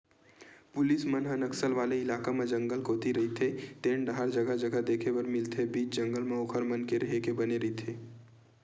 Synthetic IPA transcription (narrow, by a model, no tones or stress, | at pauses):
pʊlɪsmənɦənəksəlʋaːleɪlaːkamẽd͡ʒə̃ŋɡəlkoːt̪iɾɐɦit̪ʰet̪eːɳɖɦaɾd͡ʒəɡad͡ʒəɡad̪eːkʰebəɾmɪlt̪ʰebiːt͡ʃd͡ʒəŋɡəlmẽokʰəɾmənkeɾəɦekebəneɾəɦit̪ʰeː